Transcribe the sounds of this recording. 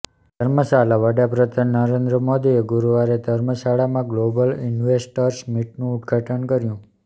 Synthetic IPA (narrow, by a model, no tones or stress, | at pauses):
d̪ʱəɾməsalaʋəɽapɾəd̪anːəɾend̪ɾəmod̪ieɡuɾuʋaɾed̪ʱəɾməʃaɭamãɡlobəlinʋesʈəɾsmiʈnũʊd̪ɡʱaʈənkəɾjũ